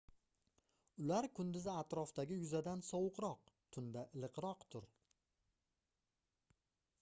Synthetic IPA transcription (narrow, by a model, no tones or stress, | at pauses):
ʊlaɾkʰʊnd̪ɪzɪat̪ɾɒft̪aɡʲɪjʊzad̪ansɒwʊqɾɒq̚t̪ʰʊnd̪aʔɪlˠɨqɾɒqt̪ʰʊɾ